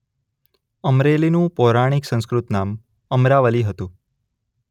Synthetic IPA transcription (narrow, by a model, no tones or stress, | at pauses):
əmɾelinũpɔɾaɽ̃iksə̃nskɾut̪nam | əmɾaʋəliɦət̪ũ